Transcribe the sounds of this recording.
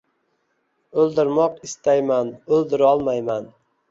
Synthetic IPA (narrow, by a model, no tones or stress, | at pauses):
ɵlˠd̪ɪɾmɒqɪst̪ajmanɵlˠd̪ɪɾɒlˠmajman